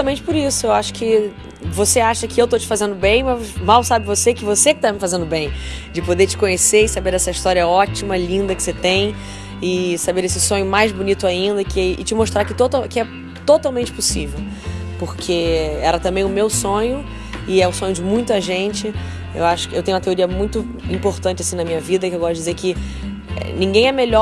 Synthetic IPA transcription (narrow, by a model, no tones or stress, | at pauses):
ɐmẽnt͡ʃɪpʊɾisʊewaʃʊ̥kɪ | voseaʃɐkɪewt̪ot͡ʃɪ̥fazẽnd̪ʊbẽj̃mɐmawsabɪvosekɪvosekɪ̥t̪amɪfazẽnd̪ʊbẽj̃d͡ʒɪpod̪et͡ʃɪ̥kõɲeseɾɪsabeɾɛsɐiʃt̪ɔɾiɐɔt͡ʃimɐlĩnd̪ɐkɪ̥set̪ẽj̃ | ɪsabeɾesɪsõɲʊmajzbunit̪ʊaĩnd̪ɐkɪɪ̰t͡ʃɪmoʃt̪ɾaɾkɪt̪ot̪akɪɛ | t̪ot̪awmẽnt͡ʃɪpʊsivew | poɾkʰeɛɾɐt̪ɐ̃mbẽj̃ʊmewsõɲʊ | ɪɛʊsõɲʊd͡ʒɪmũj̃t̪ʊɐʒẽnt͡ʃɪ | ḛwaʃʊ̥kɪewt̪ẽj̃ũmɐt̪eoɾiɐmũj̃t̪ʊ | ĩmpoɾt̪ɐ̃nt͡ʃɪasĩnɐmĩɲɐvid̪ɐkɪewɡɔst̪ʊd͡ʒɪzeɾkɪ | ɛ̰nĩŋɡẽj̃ɛmeʎɔ